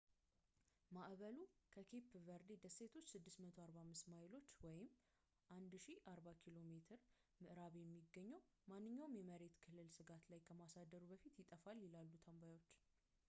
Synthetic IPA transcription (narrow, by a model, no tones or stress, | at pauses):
maʔβəlukʰəkʰe̞pʰvəɾd̪ed̪əsːe̞t̪ʰo̞t͡ʃːsɨd̪ːɨsmət̪ʰoaɾbamːɨst̪majɪlo̞t͡ʃːwɔjɪm | ʔand̪ʃiʔaɾbakʰilo̞me̞t̪ʰɨɾmɨʔɾaβjɛmːiɡːəɲːəwmanːɨɲːawmjɛməɾe̞t̪kʰɨlːɨlsɨɡat̪lajkʰəmasad̪ːəɾubəfit̪jɪt̪ʼəfalːilalːut̪ʰəmbajo̞t͡ʃː